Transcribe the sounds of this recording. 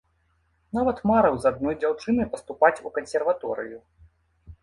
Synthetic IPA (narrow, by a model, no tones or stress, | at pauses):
navɐt̪maɾɐwzad̪nɔjd͡zʲawt͡ʂɨnɨjpɐst̪upat͡sʲukɐnsʲɛrvat̪ɔɾɨ̰ju